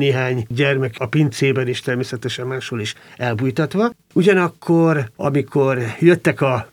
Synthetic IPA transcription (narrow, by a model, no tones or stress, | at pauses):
neːɦaːɲɟɛrmɛkɒpint̪seːbɛneːʃt̪ɛrmeːsɛt̪ɛʃɛmːaːʃhoːliʃɛlbujt̪ɒt̪ʋɒ | uɟɒnɒkːorɒ̰mikʰorjøt̪ːɛkɒ